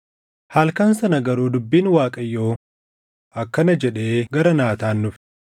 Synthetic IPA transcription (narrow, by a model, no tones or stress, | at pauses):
haːlkaːnsɐnɐɡɐɾuːd̪ʊbːiːnwaːkʼɐjːo̞ː | ɐkːɐnɐd͡ʒɛᶑe̞ːɡɐɾɐnaːt̪aːnːʊf